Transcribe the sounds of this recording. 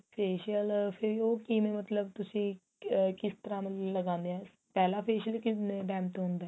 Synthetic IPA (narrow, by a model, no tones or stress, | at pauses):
pʰeːʃəlpʰɪɾoːkiːmẽːmət̪ləbt̪ʊsĩː | kɪst̪əɾãːmləɡãːnd̪eãː | pɛːlaːpʰeːʃəlkɪʈɛːmt̪ːɦʊ̃nd̪aɛː